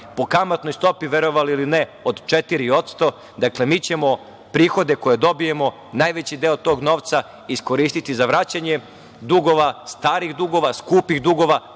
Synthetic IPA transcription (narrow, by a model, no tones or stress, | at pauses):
po̞kamat̪no̞jst̪o̞piʋe̞ɾo̞ʋaliilineod̪t͡ʃet̪iɾio̞t̪st̪o̞ | d̪akle̞miːt͡ɕe̞mo̞ | pɾiːxo̞d̪e̞ko̞jed̪o̞bijemo̞ | najʋe̞t͡ɕid̪e̞ot̪o̞ːɡno̞ːʋt̪sa | isko̞ɾiːst̪it̪izaʋɾaːt͡ɕaɲe̞ | d̪uɡo̞ʋast̪aːɾixd̪uɡo̞ʋaskuːpixd̪uɡo̞ʋa